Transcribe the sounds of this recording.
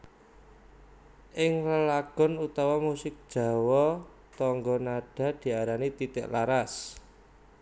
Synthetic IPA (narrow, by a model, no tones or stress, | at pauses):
ʔɪŋləlaɡ̥ɔ̤nut̪awamusɪk̚d̥ʒ̥a̤wɔ | t̪ɔŋɡɔnaɖ̥a̤d̪̥i̤aɾanit̪it̪ɪ̰ʔlaɾas